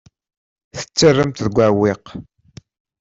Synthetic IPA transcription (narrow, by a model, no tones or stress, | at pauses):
θə̥t͡sːərːəmt̪ðəɡʷawɪq